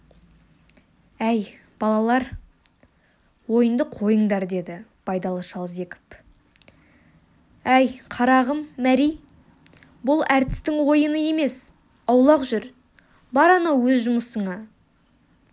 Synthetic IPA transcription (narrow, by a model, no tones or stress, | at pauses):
æj | b̥ɑlˠɑlˠɑɾ | wo̞jənd̪əqʰo̞jəɴd̪ɑɾd̪e̞d̪ɪpʰɑjd̪ɑlˠəʃɑlˠze̞kʲɪ̥p | æjqʰɑɾɑʁəmːæɾij | bʊlˠæɾt̪ɪ̥st̪ɪŋwo̞jənəje̞me̞s | ɑwlˠɑqʒʏɾ | bɑɾɑnɑwɵzʒʊməsəɴɑ